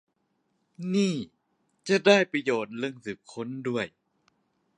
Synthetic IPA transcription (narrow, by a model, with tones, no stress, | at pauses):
niː˥˩ | t͡ɕa˨˩ʔdaː˥˩jpɾa˧joː˨˩t̪̚ɾɯ˧əŋsɯː˨˩p̚kʰo˦˥˨ndu˥˩əj